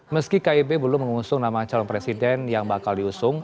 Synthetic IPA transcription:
məskikaibebəlʊməŋusʊŋnamat͡ʃalɔnpɾesidɛnjaŋbakaldiusʊŋ

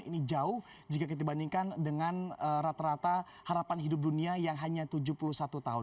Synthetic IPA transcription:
ḭnid͡ʒaʊh | d͡ʒikakit̪aibandiŋkandəŋanəɾat̪aɾat̪a | haɾapanɦidʊp̚duniajaŋɦaɲat̪ud͡ʒuhpuluhsat̪ut̪aɦʊn

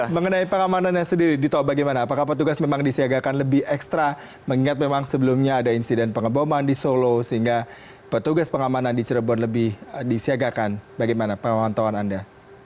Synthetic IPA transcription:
məŋənaipəŋamananɲasəndiɾidit̪aobaɡajmanaːpakahpət̪uɡasmemaŋdisiaɡakanləbɪhɛkst̪ɾa | məŋiŋat̪̚memaŋsəbəlumɲaːdainsidɛnpəŋəbomandisolosəɦiŋɡa | pət̪uɡaspəŋamanandit͡ʃəɾəbɔnləbɪhdisiaɡakanbaɡajmanapəŋaanant̪awananda

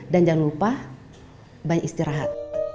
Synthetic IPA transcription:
dand͡ʒaŋlupah | baɲakist̪iɾaɦa̰t̪̚

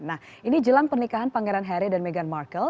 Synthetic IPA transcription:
nah | ʔinid͡ʒəlaŋpərnikaɦanpaŋɡɛɾanɦɛɾidanmeɡanmarkəl

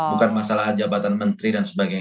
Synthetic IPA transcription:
bukanmasalaɦad͡ʒabat̪anmənt̪ɾidansəbaɡaj

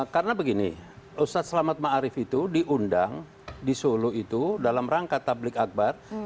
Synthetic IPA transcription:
karənabəɡinḭʔust̪at̪̚səlamat̪̚maʔaɾɪfit̪udiʔundaŋ | disoluit̪udalamraŋkat̪ablɪkak̚bar

